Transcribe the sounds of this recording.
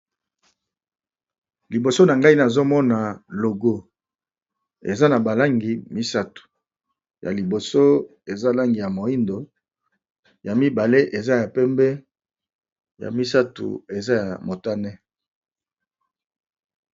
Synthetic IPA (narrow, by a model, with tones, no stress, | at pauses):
li˨bo˨so˦na˨ŋɡa˦i˦na˨zo˦mɔ˦na˨lo˨ɡo˦ | ḛ˨za˦na˨ba˨la˦ŋɡi˨mi˦sa˦tu̥˨ | ja̰˨li˨bo˨so˦ | e˨za˦la˦ŋɡi˨ja˨mo˨i˦ndo˨ | ja˨mi˦ba˨le˦ʔe˨za˦ja˨pɛ˦mbɛ˦ | ja̰˨mi˦sa˦tṵ˨e˨za˦ja˨mo˨ta˦nɛ˦